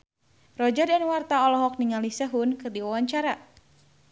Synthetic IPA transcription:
rɔd͡ʒadɛnwart̪aɔlɔɦɔk̚niŋalisəɦunkɨrdiwawaɲt͡ʃaɾa

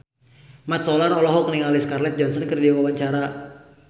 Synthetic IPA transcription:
mat̪̚sɔlanɔlɔɦɔkniŋaliskarlɛt̪̚d͡ʒɔnsənkɨrdiawawaɲt͡ʃaɾa

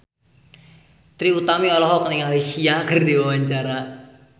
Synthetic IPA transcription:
t̪ɾiut̪amiɔlɔɦɔkəniŋalisiakʰərd̪iwawaɲt͡ʃaɾa

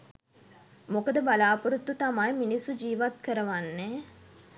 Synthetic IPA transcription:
mokəd̪əbalaːpuɾut̪ːut̪amajminisːud͡ʒiːʋat̪kəɾəʋanːɛ

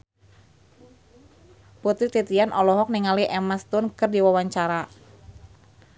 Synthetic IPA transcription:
put̪ɪht̪it̪ianʔɔlɔɦɔk̚niŋaliʔɛmast̪ʊnkɨrdiwawaɲt͡ʃaɾa

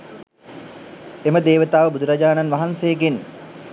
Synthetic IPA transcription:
eməd̪eːʋət̪aːʋəbud̪uɾɐd͡ʒaːnanʋaɦansejːɡen

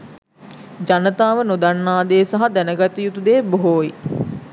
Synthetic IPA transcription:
d͡ʒanət̪aːʋənod̪anːaːd̪eːsaɦad̪ɛnəɡat̪əjut̪ud̪eːboɦoːi

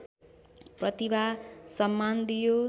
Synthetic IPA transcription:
prʌt̪ibasʌmːand̪ijo

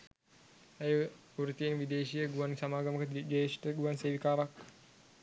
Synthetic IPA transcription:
aj | uɾut̪ienʋid̪eːʃijəɡuansamaːɡəməkəd͡ʒesʈəɡuʋanseːʋikaːɾak̚

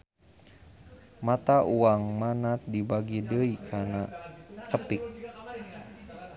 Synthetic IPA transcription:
mat̪aʔuaŋmanat̪̚dibaɡidəikʰanakəpik̚

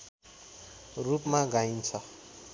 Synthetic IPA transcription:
rupmaɡaint͡sʰʌ

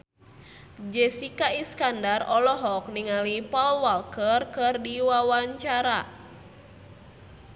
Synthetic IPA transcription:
d͡ʒɛsikaiskandarɔlɔɦɔk̚niŋalipɔlwalkərkɨrdiwawaɲt͡ʃaɾa

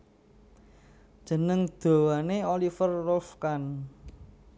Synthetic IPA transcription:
d̥ʒ̥ə̤nəŋd̪̥o̤waneolifərːɔlfkan

